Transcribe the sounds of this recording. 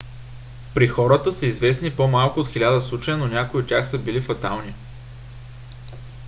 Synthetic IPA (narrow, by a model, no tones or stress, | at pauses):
pɾixɔɾət̪əsəizvɛsnipomalˠkʊot̪xilʲad̪əslˠut͡ʃəjənonʲakoiot̪tʲaxsəbilifɐt̪alˠni